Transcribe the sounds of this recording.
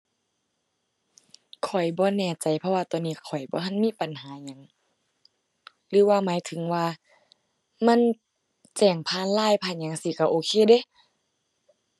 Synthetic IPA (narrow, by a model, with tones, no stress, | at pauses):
kʰɔ˨˩jbɔː˧˦nɛː˧˩t͡ɕa˨˩jpʰɔ˧waː˧t̪ɔː˧˨nːiː˧˩˧kʰɔ˨˩jbɔː˧˦ɦa˧˥˨nmiː˧˥˨pa˨nɦaː˨˦ɲa˨˦ŋ | lɯː˨˦waː˧˨maː˨˦jt̪ʰɯ˨˦ŋwaː˧ | ma˧˥˨n | t͡ɕɛː˨˩ŋpʰaː˧˥˨nlaː˧˥˨jpʰaː˧˨nɲa˨˦ŋsiː˧˦ka˧˩ʔoː˧˦kʰeː˧˨de˧˦˨